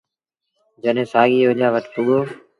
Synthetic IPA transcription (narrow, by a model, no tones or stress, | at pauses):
d͡ʒənẽːsaːɠiːoʄaːʋəʈpʊɠoː